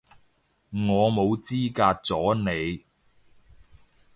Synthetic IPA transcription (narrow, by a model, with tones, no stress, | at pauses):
ŋɔː˨˧mo˨˧wt͡siː˥kaː˧t̚t͡sɔː˨˥ne˨˧j